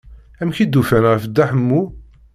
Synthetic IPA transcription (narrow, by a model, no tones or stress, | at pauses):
æmçid̪ːufænʁfəd̪ːæħəmːu